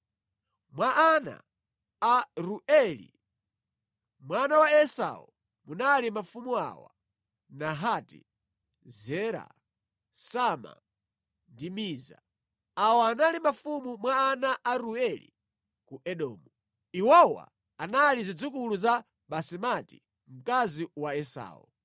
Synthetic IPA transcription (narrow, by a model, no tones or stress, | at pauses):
mwaʔana̰ | aɾuɛlḭ | mwanawaɛsa̰ṵ | munalimafumua̰wa̰ | naɦatḭ | zɛɾa̰ | sama̰ | ndimiːza̰ | awɔanalimafumumwaːnaʔaɾuɛlḭ | kuʔɛɗɔ̰ːmu | iwɔwa̰ | analizid͡zikuluza | ɓasimati̥̰ | m̩kaziwaɛsa̰ːwṵ